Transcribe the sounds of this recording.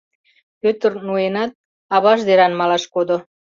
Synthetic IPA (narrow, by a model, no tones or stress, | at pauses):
pøt̪ə̆rnuenɑt̪̚ | ɑβɑʃd̪eɾɑnmɑlɑʃkod̪o